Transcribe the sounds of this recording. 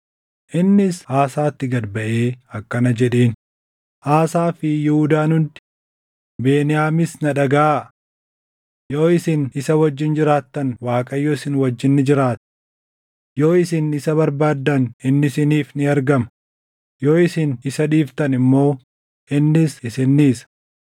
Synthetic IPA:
ʔɪnːɪshaːsaːt̪ːɪɡɐd̪bɐʔeːɐkːɐnɐd͡ʒɛᶑeːn | haːsaːfɪjɪhʊd̪aːnʊnt̪ɪ̥ | be̞ːnɪjaːmɪsnɐᶑɐɡaː | jo̞ːɪsɪnɪsɐwɐd͡ʒːɪnd͡ʒɪɾaːt̪ːɐnwaːkʼɐjoːɪsɪnwɐd͡ʒːɪnːɪd͡ʒɪɾaːt̪ɪ̥ | jo̞ːɪsɪnɪsɐβɐɾbaːd̪ːɐnɪnːɪsɪniːfnɪɐɾɡɐmɐ | jo̞ːɪsɪnɪsɐᶑiːft̪ɐnɪmːo̞ː | ɪnːɪsɪsɪnːiːsɐ̥

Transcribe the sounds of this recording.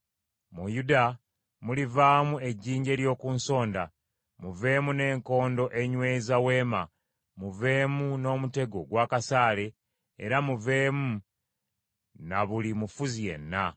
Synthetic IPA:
mujuda | mulivaːmue̞ɟːiːɲɟe̞ːɾjo̞ːkunso̞ːnda | muve̞ːmune̞ːŋko̞ːndo̞ʔe̞ɲwe̞ːzawe̞ːma | muve̞ːmuno̞ːmute̞ɡo̞ɡwaːkasaːle̞̰ː | ɾamuve̞ːmu | naβulimufuzije̞̰nːa

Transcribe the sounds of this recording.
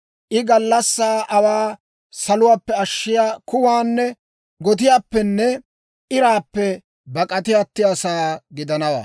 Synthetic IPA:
ʔɪɡɐlːɐsːaːʔɐwaː | sɐlʊwaːpːɛɐʃːɪjaːkʊwaːnːɛ | ɡɔt̪̬ɪjaːpːɛnːɛ | ʔɪɾaːpːɛ | bɐkʼɐt̪ɪjaːt̪ːɪjaːsaːɡɪd̪ɐnɐwa̰ː

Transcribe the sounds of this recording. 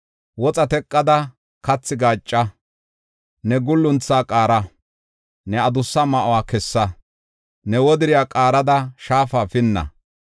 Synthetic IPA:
wɔt͡sʼɐt̪ɛkʼːɐd̪ɐ | kɐt͡sːɪɡaːt͡ʃʼːɐ | nɛɡʊlːʊnt͡sːaːkʼaːɾɐ | nɛɐd̪ʊsːɐmɐʔʊwaːkɛsːɐ | nɛwɔd̪ɪɾɪjaːkʼaːɾɐd̪ɐʃaːfaːfɪnːɐ̰

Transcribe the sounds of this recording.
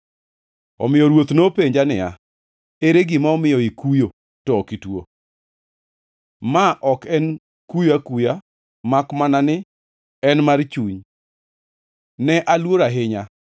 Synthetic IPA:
ɔ̰mɪjɔɾwot̪nopeɲd͡ʒanɪa | eɾeɡɪmaɔmɪjɔikujo | tɔkitwo̰ | maʔɔkɛn | kujakuja | makmananɪ | ɛnmart͡ʃuɲ | nɛʔalwoɾaɦɪɲa

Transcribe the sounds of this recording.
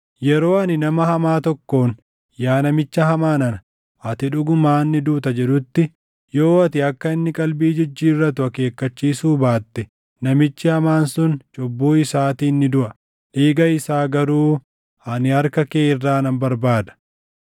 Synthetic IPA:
jɛɾo̞ːɐnɪnɐmɐhɐmaːt̪ɔkːo̞ːn | jaːnɐmɪt͡ʃːɐɦɐmaːnɐnɐ | ʔɐt̪ɪᶑʊɡʊmaːnːɪd̪uːt̪ɐd͡ʒɛᶑʊt̪ːɪ | jo̞ːɐt̪ɪɐkːɐɪnːɪkʼɐlbiːd͡ʒɪd͡ʒːiːrːɐt̪ʊɐke̞ːkːɐt͡ʃːiːsuːbaːt̪ːɛ | nɐmɪt͡ʃːɪhɐmaːnsʊnt͡ʃʼɔbːuːɪsaːt̪iːnːɪd̪ʊʔɐ | ᶑeːɡɐɪsaːɡɐɾuː | ɐnɪɐɾkɐkeːɪrːaːnɐmbɐɾbaːd̪ɐ̥

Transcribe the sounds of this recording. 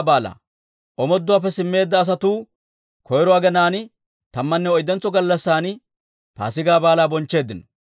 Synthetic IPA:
baːla̰ː | ʔɔmɔd̪ːʊwaːpːɛsɪmːe̞ːd̪ːɐːs̬ɐt̪uː | kʰɔjɾɔwaːɡɛnaːn | t̪ɐmːɐnːɛɔjd̪ɛnt͡sːɔɡɐlːɐsːaːn | pa̰ːsɪɡaːbaːlaːbɔnt͡ʃːe̞ːd̪ːɪnɔ

